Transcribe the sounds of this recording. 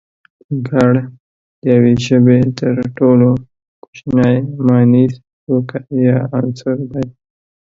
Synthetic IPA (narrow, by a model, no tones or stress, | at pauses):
ɡaɽ | jaweʒəbet̪əɾʈolo | ku̥t͡ʃnajmɑniz | okajɑansʊɾd̪aj